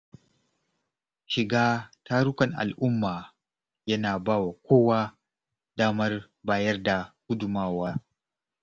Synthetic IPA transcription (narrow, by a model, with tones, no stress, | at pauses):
ʃɪ˨ɡaː˦taː˦ɽʊ˦kɐ˨ŋʔa̰˨lʔʊ˦mːaː˨ | jɐ˦naː˨baː˦wa˨kʷoː˦waː˦ | daː˦mɐ˦r | baː˦jɐ˦rda˨hʊ˦dʊ˨maː˦waː˦